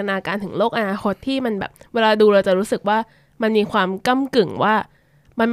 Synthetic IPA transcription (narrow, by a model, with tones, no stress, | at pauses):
naː˧kaː˧nt̪ʰɯ˨˩˦ŋloː˥˩k̚ʔa˧naː˧kʰo˦˥t̪ʰːiː˥˩ma˧nbɛ̰ː˨˩p̚weː˧laː˧duː˧ɾaː˧wt͡ɕa˨˩ɾuː˦˥sɯ˨˩k̚waː˥˩ | ma˧nmiː˧kʰwaː˧mka˥˩mkɯ˨˩ŋwaː˥˩ | ma˧nm